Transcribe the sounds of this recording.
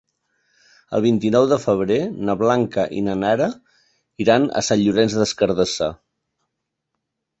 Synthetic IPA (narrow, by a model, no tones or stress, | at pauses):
ə̰lˠβ̞int̪inɔwðəfəβ̞ɾenəβlaŋkəʔḭnənaɾə | iɾanə̰saʎʎuɾɛnzðəskəɾð̞əsa